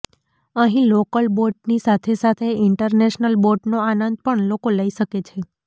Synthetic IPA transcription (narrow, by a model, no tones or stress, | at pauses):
əɦĩlokəlboɾʈ̚nisat̪ʰesat̪ʰeɪɳʈəɾneʃnəlboʈnoanənd̪̚pəɳlokoləiʃəket͡ʃʰe